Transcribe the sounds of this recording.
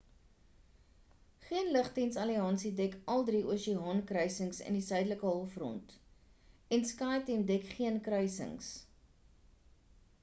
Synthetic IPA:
χiənləχtinsɐliɑːnsidɛkʰɐlˠdɾiʔuəʃiɦɑːnkrœjsəŋsə̰ndisœɥdələkəɦɔlˠfrɔ̰nt | ɛnskɑːtimdɛkχiənkrœjsə̰ŋs

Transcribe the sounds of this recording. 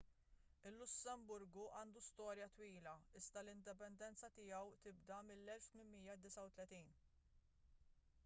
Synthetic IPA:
ɪlːʊsːɛmbʊɾɡuʔɐːnd̪ust̪ɔːɾjɐt̪wiːlɐɪzd̪ɐlɪnd̪ɪpɛnd̪ɛnt͡sɐt̪ɪjɐwt̪ɪbd̪ɐmɪlːɛlft̪mɪmmijːɐd̪ɪsɐwt̪lɛt̪iːn

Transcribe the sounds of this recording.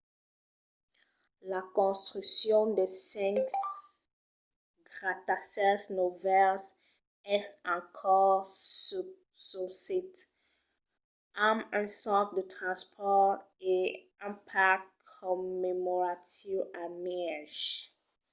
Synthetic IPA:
lakɔ̃st̪χyksjɔ̃d̪esɛ̃ŋk | ɡʁat̪asɛsnovɛls | ɛsɑ̃kʰɔ | susit̪ | amɛ̃sɑ̃t̪d̪ət̪χɑ̃spʰɔʁ | e | ɛ̃pʰakʰ | ɔmemɔʁat̪ivamɛʒ

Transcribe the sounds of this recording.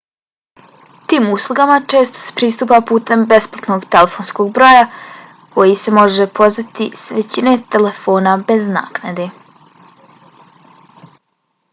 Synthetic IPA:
t̪iːmuslˠuɡamat͡ʂe̞ːst̪o̥se̥pɾiːst̪uːpapuːt̪e̞mbe̞splˠat̪no̞ɡt̪elefonsko̞ɡbɾoːja | ko̞jise̞mo̞ʒepʰo̞zʋat̪isʋet͡ɕine̞t̪e̞le̞fo̞ːnabe̞zna̰ːknad̪e̞

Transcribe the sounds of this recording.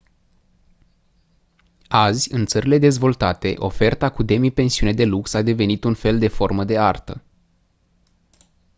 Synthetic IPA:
azʲɨnt̪səɾile̞d̪e̞zvo̞lt̪at̪e̞ʔo̞̰fe̞rt̪akud̪e̞mipe̞nsiune̞d̪e̞luksad̪e̞ve̞nit̪unfe̞ld̪e̞fo̞rməd̪e̞art̪ə̰

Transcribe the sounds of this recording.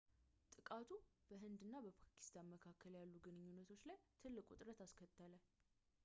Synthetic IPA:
t̪ʼɨkʼat̪ʰubəɦɨnd̪ɨnːabəpʰḁkʰi̥st̪ʰanməkʰakːəljalːuɡɨnɨɲːunːət̪ʰo̞t͡ʃːlajt̪ʰɨlːɨkʼut̪ʼɾət̪askʰət̪ʼːələl

